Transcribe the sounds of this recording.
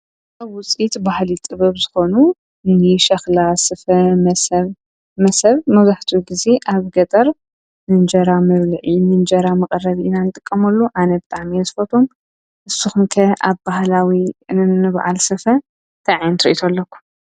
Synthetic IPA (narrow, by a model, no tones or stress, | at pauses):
ʔaβwʊt͡sʼit̪bahlit̪ʼɨβɐβzɨxo̞nu | nɨʃɐxlasɨfɐmɐsβ | mɐsɐβmɐzaħt̪ʰuɡize̞ʔaβɡɐt̪ʼɐɾ | mɨnd͡ʒɐɾamɐβlɨʕimɨnd͡ʒɐɾamɐkʼɐrːɐβiʔɨnanɨt̪ʼɨkʼːɐmɐlːuʔanɐbɨt̪ʼaʕmiɐzɨfɐt̪ʰom | ʔɨsːuxumkʰɐʔa̰βbahlawinɨnɨβʔa̰lsɨfɐ | t̪ʰaʕjnt̪ʰɨɾɨ̰ʔit̪ʰolːɐkʷːu̥